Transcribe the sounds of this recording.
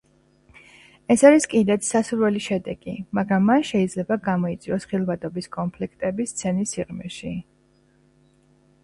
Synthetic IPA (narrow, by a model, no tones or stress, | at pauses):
ɛsaɾiskʼid̪ɛt̪ʰsasuɾwɛliʃɛd̪ɛɡ̥imaɡɾamːanʃɛid̪zlɛbaɡamɔit̪sʼiɔsχilˠvat̪ʼɔbiskʼɔnpʰlikʰt̪ʼɛbist̪sʰɛnisiʁmɛ̰ʃi